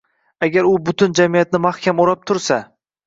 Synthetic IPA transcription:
aɡʲaɾʊbʊt̪ʰʊnd͡ʒamijat̪̚nɪmahkʲamoɾap̚t̪ʰʊɾsa

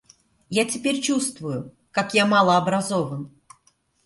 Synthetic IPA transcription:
jatʲɪpʲeɾʲt͡ɕust̪vʊjʊ | kakjamalˠəɐbɾɐzovən

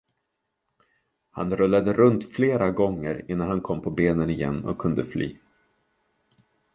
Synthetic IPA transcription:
hanɾɵlːad̪əɾɵnt̪fleːɾaɡɔŋːəɾɪnːanhankʰɔmːpʰɔbeːnənɪjɛ̰nːɔ̰kʰːɵnd̪əflʔy̰ː

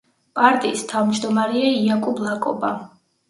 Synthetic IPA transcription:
pʼaɾt̪ʼiːst̪ʰavmd͡ʒd̪ɔmaɾɛaiakʼublˠakʼɔba

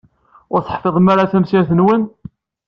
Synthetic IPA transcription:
ʊɾθˤə̥ħfeðˤmaɾaθæmsaɾθənwən

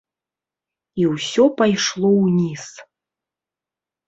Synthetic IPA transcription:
iwsʲɔpajʂlˠɔwnʲis

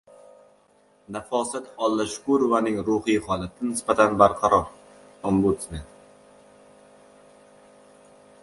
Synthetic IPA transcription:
nafɒsat̪ɒlˠːaʃʊ̥kuɾʊvanɪŋɾuhijχɒlˠat̪ʰɪnɪspat̪ʰanbaɾqʰɑɾɒɾ | ɒmbut̪sment̪

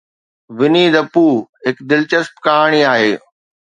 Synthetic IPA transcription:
ʋɪniːd̪ɐpuːɦɪkd̪ɪlt͡ɕəspkaːɽ̃iaːɦeː

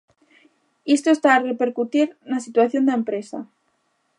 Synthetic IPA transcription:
ist̪oest̪aːrepeɾkut̪iɾnasit̪waθjond̪aempɾesa̰

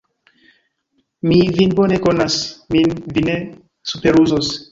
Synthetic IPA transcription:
mivinbonekonasminvine | supeɾuzos

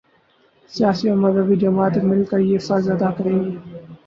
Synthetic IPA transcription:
sijaːsioːməzəbid͡ʒɐmaːt̪emɪlkəjesazɐd̪aːkəɾẽːɡiː

